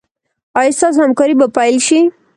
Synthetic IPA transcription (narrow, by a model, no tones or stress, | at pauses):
ɑjist̪ɑs̬hamkɑɾibapajlʃi